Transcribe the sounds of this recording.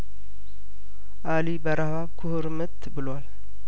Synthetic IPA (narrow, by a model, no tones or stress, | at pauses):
ʔalibəɾʔahβaβkʰʊhɨɾmɨt̪ʰːbɨlwal